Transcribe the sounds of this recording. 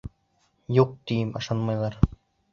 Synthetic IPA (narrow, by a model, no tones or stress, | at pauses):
juq̚t̪ijɘmɑ̰̆ʃɑnmɑjlˠɑɾ